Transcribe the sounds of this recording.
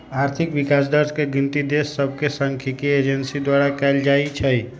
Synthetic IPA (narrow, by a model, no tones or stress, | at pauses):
aɾt̪ʰikʋɪkasd̪əɾskeɡint̪id̪esːəb̚ʱkesəŋkʰikied͡ʒənsid̪waɾakɛld͡ʒait͡ʃʰəi